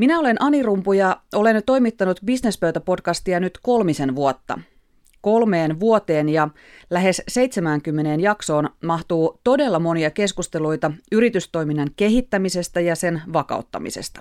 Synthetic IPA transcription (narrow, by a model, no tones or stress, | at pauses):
minæo̞le̞nʔɑnirumpujɑʔo̞le̞nt̪o̞jmit̪ːɑnut̪bisnespøyt̪æpo̞dkɑst̪iɑnyt̪ko̞lmise̞nʋuot̪ːɑ̰ | ko̞lme̞ːnʋuot̪e̞ːnjɑ | læɦe̞sse̞jt̪semæːŋkymːe̞ne̞ːnjɑkso̞ːnmɑht̪uːt̪o̞de̞lːɑmo̞niɑke̞skust̪e̞lujt̪ɑyɾit̪yst̪o̞jminːɑŋke̞ɦit̪ːæmise̞st̪æjɑse̞nʋɑkɑ̰ˑut̪ːɑ̰mḭsḛst̪ɑ̥